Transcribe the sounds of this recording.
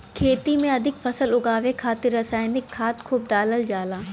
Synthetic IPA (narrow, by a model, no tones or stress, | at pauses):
kʰeːt̪imẽɐd̪ʱɪkfɐsəlʊɡaːʋekʰaːt̪ɪɾːɐsaːɪnɪkʰːaːt̪kʰuːb̚d̪aːləld͡ʒaːlaː